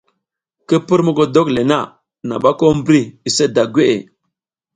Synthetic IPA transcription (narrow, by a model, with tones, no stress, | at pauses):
kə˦pə˦ɾmə˦ɡo˨do˦kle˨na˦˨ | na̰˨ɓa˦ko˦m˦bɾi˦i˨se˦da˨ɡʷe˦ʔe˨